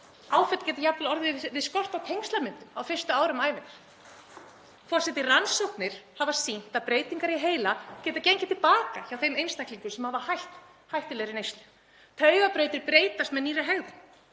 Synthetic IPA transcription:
aːwfɛt̪cɛːt̪ɪjapllɔɾðɪvɪðskɔr̥t̪awt̪ʰejŋst̪lamʏnt̪ʏma̰wfɪr̥st̪ʏaːwɾʏmaːjvɪnaɾ̥ | fɔr̥sɛt̪ɪransɔwhpnɪɾ̥havasin̥t̪aðpɾeːjt̪iŋkaɾiɦeːjlacɛːt̪acejɲcɪ̥t̪ʰɪlpaːkaçawθejmejnst̪ahkliŋkʏsɛmhavahajht̪ | hajht̪ɪlɛɣɾɪnejst̪lʏ̥ | t̪ʰœɥɣapɾejt̪ɪɾpɾeːjt̪ast̪mɛðniːɾɪɦɛɣðʏ

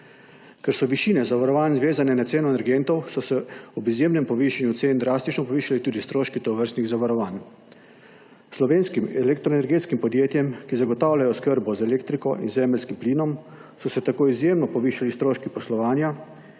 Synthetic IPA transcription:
kɛɾsɔʋiʃiːnɛzaʋaɾɔʋaːnzʋeːzanɛnat̪seːnɔɛnɛɾɡent̪ɔwsɔsɛɔbizjeːmnɛmpɔʋiːʃanjut̪seːnd̪ɾaːst̪it͡ʃnɔpɔʋiːʃalit̪uːd̪ist̪ɾoːʃkit̪ɔʋəɾst̪niɣzaʋaɾɔʋaːn | slɔʋeːnskimɛlɛk̚t̪ɾɔenɛɾɡeːt̪skimpɔd̪jeːt̪jɛmkizaɡɔt̪aːwlʲajɔskəɾbɔzɛleːkt̪ɾikɔʔḭnzɛːməlskimpliːnɔm | sɔsɛt̪akoːizjemnɔpɔʋiːʃalist̪ɾoːʃkipɔslɔʋaːnja

